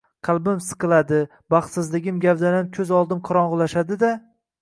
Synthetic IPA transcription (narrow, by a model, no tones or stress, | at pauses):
qʰɑlˠbɪmsɨ̥qɨlˠad̪ɪ | bɑχt̪sɪzlɪɡʲɪmɡʲavd̪anamkʲʰɵzɒlˠd̪ɪmqʰɒɾɒɴʁʊlˠaʃad̪ɪd̪a